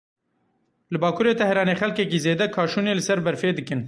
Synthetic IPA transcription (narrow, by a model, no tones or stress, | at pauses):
lɨbɑːkʰuːɾeːt̪ɛhɾɑːneːxɛlkɛkiːzeːd̪ɛkʰɑːʃuːneːlɨsɛɾbɛɾfeːd̪ɨkɨn